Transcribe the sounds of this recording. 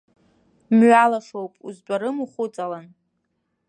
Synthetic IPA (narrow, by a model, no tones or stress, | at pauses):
mɥalaʂowpʼṵzbʷaɾɨmuχʷʊt͡sʼalan